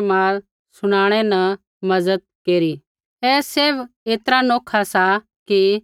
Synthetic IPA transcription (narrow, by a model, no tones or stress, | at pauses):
maːɾ | sʊɽ̃aːɽ̃ɛnɐ | mɐzəd̪̚keːɾi | ɛːseːʋeːt̪əɾanoːkʰasa | ki